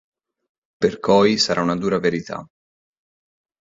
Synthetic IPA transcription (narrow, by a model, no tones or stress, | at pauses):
perkʰɔjsaɾʔaunad̪uːɾaveɾit̪ʰa̰